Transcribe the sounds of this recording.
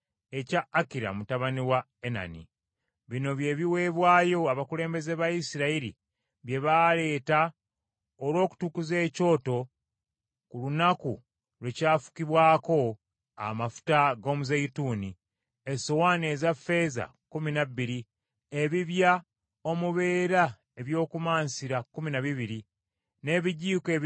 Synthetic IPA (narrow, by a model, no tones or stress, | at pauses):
e̞caːkiɾa̰mutaβaniwa | ena̰nḭ | βino̞βje̞βiwe̞ːβwaːjo̞aβakule̞ːmbe̞ze̞βaisiɾaiɾḭ | βje̞βale̞ːta | olwo̞ːku̥tukuze̞ːco̞ːto̞ | kulunaku | lwecaːfu̥kiβwaːko̞ | a̰mafu̥taɡo̞ːmuzejituːni | esowaːne̞zafːe̞ːza̰ | kuminaβːiɾi | eβiβja | o̞muβe̞ːɾa | e̞βjo̞ːkumaːnsiɾakuminaβiβiɾi | ne̞ːβiɟiːke̞ː